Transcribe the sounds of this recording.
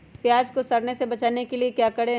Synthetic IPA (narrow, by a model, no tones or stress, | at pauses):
pjaːd͡ʒkosɐɾnesebɐt͡ʃaːnekeliekjaːkɐɽẽ